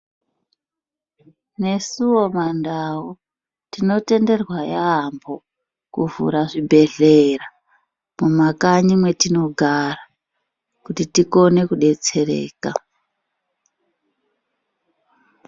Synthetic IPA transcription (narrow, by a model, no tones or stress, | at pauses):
ne̞suwo̞mandawo | tino̞te̞nde̞rwajaɦːmbo̞ | kuvṵɾaʐibʱe̞ɮe̞ra | mumakaɲimwe̞tino̞ɡʱara | kutitiko̞ne̞kuɗe̞t͡se̞rḛːka